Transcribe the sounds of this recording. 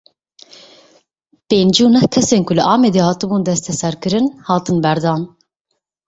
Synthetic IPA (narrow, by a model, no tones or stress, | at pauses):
peːnd͡ʒiuːnɛhkʰɛseːnkulɨʔɑːmeːd̪eːhɑːt̪ɨbuːnd̪ɛst̪ʰɛsɛɾkɨɾɨnhɑːt̪ɨnbɛɾd̪ɑːn